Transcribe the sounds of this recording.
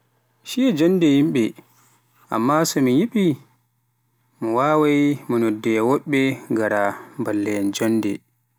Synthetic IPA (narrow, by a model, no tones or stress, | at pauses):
ʃiɛd͡ʒɔndɛjimɓɛ | ʔa̰mːasɔmijiɓi | mɔwaːwajmɔnɔdːɛwɔɓːɛŋɡaɾabalːɛnd͡ʒɔnːdɛ̰